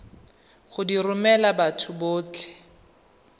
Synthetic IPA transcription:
χʊdirʊmɛlabatʰʊboːt͡ɬɛ̥

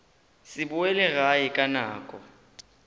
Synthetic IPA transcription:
sɪɓuɛlɛɣajɛkʼanaːkʼɔ̰

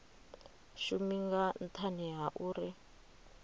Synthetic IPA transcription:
ʃumiŋɡan̩tʰaniɦaʔuːɾi

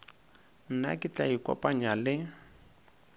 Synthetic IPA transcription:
n̩na̰kɪt͡ɬaikɔ̰pʼaɲalɪ

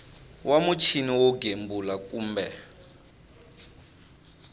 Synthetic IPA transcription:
wamut͡ʃʰiniwɔɡembulakuːmbɛ

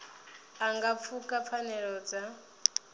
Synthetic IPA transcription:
aŋɡap̪fʰukʼapfʰanɛɺɔd͡za

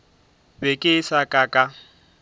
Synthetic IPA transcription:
bekʼɪsakʼakʼa

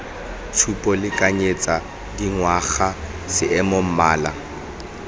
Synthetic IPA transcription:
tʰupʼɔlɪkʼaɲet͡sʼa | diŋwaχa | sɪɛmom̩maːla̰

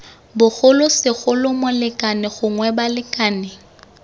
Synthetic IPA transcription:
bʊɣʊlʊsɪɣʊlʊmʊlɪkʼanɪɣʊŋwɛbalɪkʼaːnɪ

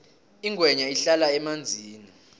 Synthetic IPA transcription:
iŋʱwɛɲaiɬalaɛmand͡zʱiːni

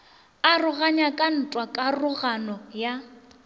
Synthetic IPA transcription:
arʊɣaɲakʼan̩tʼwakʼarʊɣanɔja

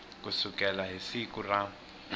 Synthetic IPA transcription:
kusukʼɛlaɦisikʼura

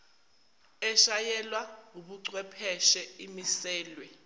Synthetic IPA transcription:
ɛʃajɛlwauɓuǀwɛpʰɛʃɛimisɛːlwɛ

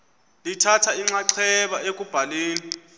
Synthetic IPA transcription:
litʰatʰaiŋ͡ǁaǀʰɛɓaek̬ʼub̥ʱaleːni

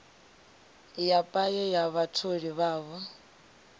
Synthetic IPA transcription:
japʼajɛjaβatʰoɺiβaːβɔ

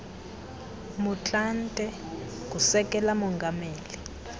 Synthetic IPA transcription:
mut͡ɬʼantʼɛ | k̬ʼusɛk̬ʼɛlamɔŋɡʱameːli

